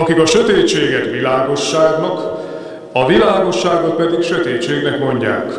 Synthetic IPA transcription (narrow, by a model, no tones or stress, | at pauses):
ɒkikɒʃøt̪eːt͡ʃeːɡɛt̪ʋilaːɡo̞ʃːaːɡnɒk | ɒvilaːɡo̞ʃːaːɡot̪̚pɛd̪ikʃøt̪eːt͡ʃːeːɡnɛkmo̞ɲɟa̰ːk